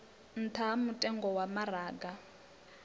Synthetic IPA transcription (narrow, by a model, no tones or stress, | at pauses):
n̩tʰamutʼɛŋɡɔwamaraːɡa